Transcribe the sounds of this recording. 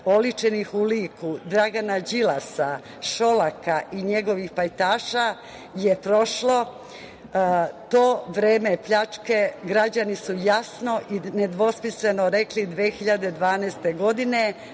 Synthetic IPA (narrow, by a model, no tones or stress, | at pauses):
o̞lit͡ʃenixuliːkud̪ɾaɡanad͡ʑilasa | ʃo̞lakaʔiɲe̞ɡo̞ʋixpajt̪aːʃa | je̞pɾo̞ʃlo̞ | t̪o̞ːʋɾeːme̞pʎat͡ʃke̞ɡɾad͡ʑanisujasno̞ʔine̞d̪ʋo̞spislenoɾe̞klid̪ʋeːxiʎad̪ed̪ʋaːnɛːst̪eɡo̞d̪ine̞